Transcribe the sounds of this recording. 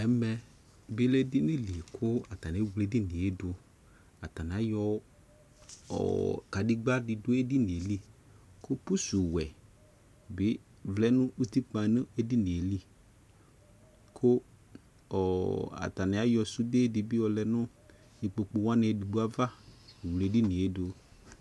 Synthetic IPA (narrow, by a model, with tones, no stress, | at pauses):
ɛ˦mɛ˧ | bɪ˦lɛ˦dɪ˦nɪ̃˦li˨kʰʊ˦a˨ta˨nɪ˨˦wle˨˦di˦ni˨e˦dʊ˧ | a˨ta˨nɪ˨a˨˦jɔ˧ | ɔ̰˨ka˨di˦ɡ͡ba˦dɪ˨dʊ˦e˦di˦ni˨e˨li˦ | kʊ˦pu˦su˨wɛ˨ | bɪ˨˦ | vlɛ˦nʊ̃˦ʔu˦ti˦k͡pã˨nɨ̃˦e˦di˦ni˨e˨li˦ | kʰʊ˦ | ɔ˨a̰˨ta˨nɪ˨a˦jɔ˧su˦de˦dɪ˨bi˦ɔ˧lɛ˧˦nʊ˦ | ni˨k͡po˧k͡pu˧wa˦nɛ˧˨di˨ɡ͡bu˦a˦va˦˨wle˨di˦ni˨e˦dʊ˧